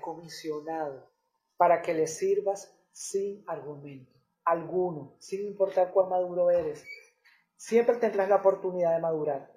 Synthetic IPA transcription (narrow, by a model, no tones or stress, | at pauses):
ko̞misjo̞naðo | paɾake̞le̞siɾβasː | iŋaɾɣumẽ̞nt̪o | alɣuno̞siŋimpo̞ɾt̪aɾkwalmaðuɾo̞e̞ɾe̞sː | je̞mpɾe̞t̪end̪ɾaslaopo̞ɾt̪uniðaðe̞maðuɾaɾ